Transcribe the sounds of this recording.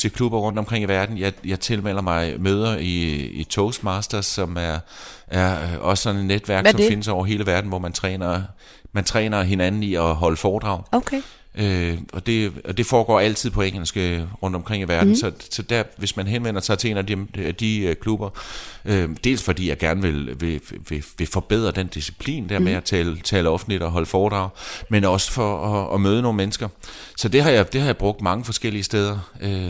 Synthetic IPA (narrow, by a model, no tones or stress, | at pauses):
t͡sʰe̝lkʰlub̥ɐʁɔ̽n̰d̥ɒ̽mkʰʁeŋ̰iʋæɐd̥n̩jɑ̈ɪjɑ̈ɪt͡sʰe̝lmel̰ɐmɑ̈ɪmøːð̞ˠɐiit͡sʰɔʊsd̥mɑsd̥ɐsɒ̽mæɐæɐʔɒ̽sə̥sɒ̽nenːed̥ʋæɐɡsɒ̽me̝nəsɒʊ̰ɐɦe̝ːləʋæɐd̥n̩ʋɒmænt͡sʰʁɛ̰ːnɐ | mænt͡sʰʁɛ̰ːnɐɦe̝nænn̩iɒ̽ɦɒ̽ləfɒːd̥ʁɑ̈ʊokʰe | ʔøɒ̽d̥e̝ɒ̽d̥e̝fɒːɡ̥ɒ̰ːæl̰t͡sʰið̰ˠpʰɒ̽eŋ̰l̩sɡ̥əʁɔ̽n̰d̥ɒ̽mkʰʁeŋ̰iʋæɐd̥n̩sɒ̽sɒ̽d̥æɐ̰ʋe̝smænɦenʋen̰ɐsɑ̈ɪt͡sʰe̝e̝ːnæd̥iæd̥iøkʰlub̥ɐød̥e̝̰ːlsfɒ̽d̥ḭːjɑ̈ɪɡ̥æɐnəʋe̝lʋe̝ʋe̝ʋe̝fɒ̽b̥e̝ð̞̰ˠʁɐd̥end̥isi̥pʰlḭːnd̥æɐ̰meæt͡sʰɛːlt͡sʰɛːləɒ̽fn̩lid̥ɒ̽ɦɒ̽ləfɒːd̥ʁɑ̈ʊmenɒ̽sə̥fɒ̽ɒɒmøːð̞ˠno̝ːŋn̩menəsɡ̥ɐsɒ̽d̥e̝ɦɑ̈jɑ̈d̥e̝hɑ̈jäb̥ʁɔ̽ɡ̥̚d̥mɑ̈ŋəfɒ̽sɡ̥el̰iəsd̥eð̞ˠɐø